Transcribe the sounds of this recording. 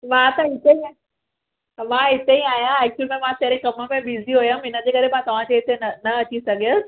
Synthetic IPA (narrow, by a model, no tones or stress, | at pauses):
ʋaːt̪ɐɦɪt̪eĩ | ʋãɦɪt̪eĩaːjaɛːk̚t͡ɕʊlmẽmãt̪eɾ̃ẽkɐmə̆mẽɓiːziɦojəmɪnəd͡ʑeːkɐɾemãːt̪ɐʋ̤ãd͡ʑeɦɪt̪enɐnɐɐt͡ɕisɐɡʱiəs